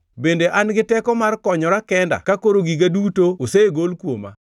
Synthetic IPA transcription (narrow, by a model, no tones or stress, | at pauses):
bendeʔanɡɪtɛkɔmarkɔɲɔɾakɛnda̰kakoɾoɡiɡadutooseɡolkwoma̰